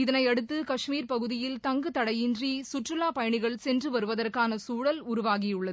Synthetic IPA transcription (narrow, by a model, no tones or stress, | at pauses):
ɪðɐnɐɪɐɽɯt̪ːɯkɐʂmiːɾpɐɣɯðɪjɪlt̪ɐŋɡɯt̪ɐɽɐjɪndrisʊʈrɯlaːpɐjɐɳɪɣɐɭsɛndrɯʋɐɾɯʋɐðɐrkaːnɐsuːɽɐlʊɾʊʋaːɣijɯɭːɐ